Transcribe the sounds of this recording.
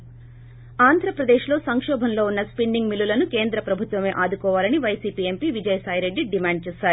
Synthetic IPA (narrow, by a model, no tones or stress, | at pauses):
aːnd̪ʱɾɐpɾɐd̪eːʃlo̞ːsɐŋkʂɔːbʱɐnlo̞ːunːɐspiɳɖiŋɡmilːulɐnuke̞ːnd̪ɾɐpɾɐbʱut̪ʋɐme̞ːʔaːd̪ukɔːʋaːlɐniʋɐjsiːpiːempiʋid͡ʒɐjsaːjɾe̞ɖːiɖimaːɳɖ̚t͡ʃɛːsaːɾuu